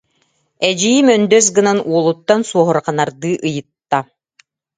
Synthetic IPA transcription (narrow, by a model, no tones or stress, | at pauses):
ɛd͡ʑijimœnd̪œs̬ɡɯnanuɔlˠut̪ːansuɔɦɔɾqanaɾd̪ɯːʔɯjɯt̪ːa